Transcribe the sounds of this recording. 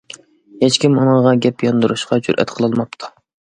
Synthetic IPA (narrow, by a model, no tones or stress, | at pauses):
het͡ʃkʲimunɨŋʁɑɡʲɛpjɑnd̪uɾuʃqɑd͡ʒṵɾʔɛ̰t̪qʰəlˠɨlˠmɑp̚t̪ʰu̥